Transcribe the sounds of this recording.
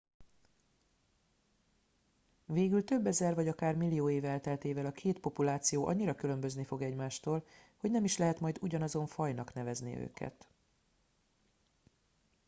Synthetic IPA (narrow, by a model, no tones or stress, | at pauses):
veːɡylt̪ø̞bːɛzɛrvɒɟɒkaːrmilːijoːeːvɛlt̪ɛlt̪eːvɛlɒkʰeːt̪po̞pulaːt̪sijoːʔɒ̰ɲːiɾɒkylø̞mbø̞znifo̞ɡɛɟmaːʃt̪oːlho̞ɟnɛmiʃlɛɦɛt̪mɒjd̪uɟɒnɒzo̞ɱfɒjnɒkn̪ɛvɛznḭø̰ːkʰɛ̰t̪